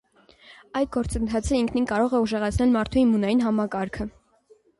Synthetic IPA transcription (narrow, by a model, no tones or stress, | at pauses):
ɑjd̪̚ɡɔɾt͡sənt̪ʰɑt͡sʰəiŋkʰninkɑɾɔʁɛuʒɛʁɑt͡sʰnɛlmɑɾt̪ʰuimːunɑjinɦɑmɑkɑɾkʰə